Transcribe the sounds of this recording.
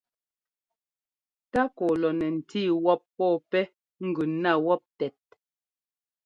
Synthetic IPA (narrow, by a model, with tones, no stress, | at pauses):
ta˦kɔ˨lɔ˨nɛ˨n̩˨tiː˦˨wɔ˦pːɔː˦˨pɛ˦ | ŋ̩˦ɡʉ˨na˦˨wɔ˦p̚tɛ˨t̚